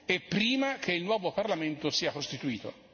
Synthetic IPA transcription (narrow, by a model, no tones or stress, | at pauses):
epːɾiːmak̟eilnwɔːvoparlament̪osiːakost̪it̪uiːt̪o̰